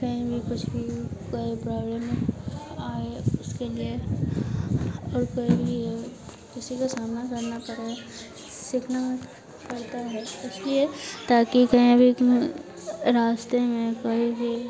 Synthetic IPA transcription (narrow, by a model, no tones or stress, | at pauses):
kɐɦĩbʱikʊt͡ʃʰbʱikaepɾaːblem | aːeʊskelie | ɔːɾkɐĩbʱi | kɪsikasaːmnakɐɾnapɐɾe | sɪkʰna | pɐɽt̪aɦɛɪsliet̪aːkikɐɦĩbʱi | ɾaːst̪emẽkəĩbʱi